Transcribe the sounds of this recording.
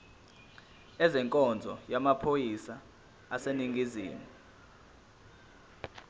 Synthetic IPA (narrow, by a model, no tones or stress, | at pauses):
ɛzɛŋkʼɔnd͡zʱɔ̰jamapʰojisa | aseniŋɡʱiziːmu